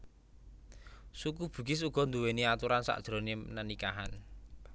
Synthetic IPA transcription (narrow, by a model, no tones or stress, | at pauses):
sukub̥ṳɡ̥ɪsuɡ̥ɔ̤nd̪uweniat̪uɾansa̰ʔd̥ʒ̥ɾonenənikaɦan